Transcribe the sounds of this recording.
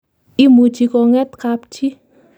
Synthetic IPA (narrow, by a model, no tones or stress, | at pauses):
imu̥d͡ʒ̥ikɔŋɛt̪̚kap̚t͡ʃi